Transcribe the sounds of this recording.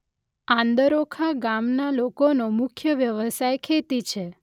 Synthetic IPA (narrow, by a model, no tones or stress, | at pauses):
ãnd̪əɾokʰaɡamnalokonomʊkʰjəʋjəʋəsajkʰet̪it͡ʃʰe